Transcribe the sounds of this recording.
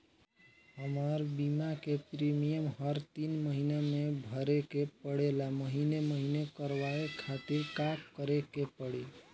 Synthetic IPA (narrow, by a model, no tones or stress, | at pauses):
həməɾbimakepɾimijəmɦəɾt̪inməɦinemebʱəɾekepəɽelaməɦineməɦinekəɾʋaekʰat̪iɾkakkəɾekepəɽel